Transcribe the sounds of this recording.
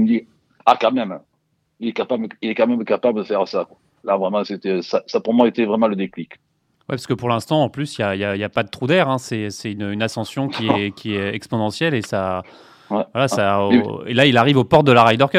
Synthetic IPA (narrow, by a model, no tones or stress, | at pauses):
md̪i | akɑ̃mɛm | ilɛkapabləilɛkɑ̃mɛmkapabləd̪əfɛʁsakwa | lavʁɛmɑ̃set̪ɛsasapuʁmwaet̪ɛvʁɛmɑ̃ləd̪eklik | wɛpḁskəpuʁlɛ̃st̪ɑ̃ːplysijaijaijapad̪ət̪χud̪ɛʁɛ̃sɛsɛynøynasɑ̃sjɔ̃kʲiɛkʲʰiɛɛkspɔnɑ̃sjɛlesa | ɛvwalasaḛlailaʁivopɔʁt̪̚d̪əlaʁajd̪œʁkʲɛ